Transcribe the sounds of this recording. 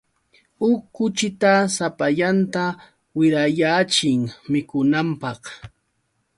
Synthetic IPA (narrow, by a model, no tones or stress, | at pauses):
ʊkːʊt͡ʃɪt̪asapaʎant̪a | wɪɾajaːt͡ʃɪŋmɪkʊnampɑχ